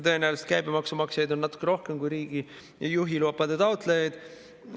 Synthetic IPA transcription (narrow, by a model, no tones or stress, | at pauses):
t̪ɤ̞enɑjlest̪̚kæjbemɑksumɑksjɑjd̪o̞nːɑt̪ːˑu̥kːˑeɾo̞hkemkujɾiːɡ̥i | juɦiluɑpːˑɑd̪et̪ɑwt̪ˑlejɑjd̪̥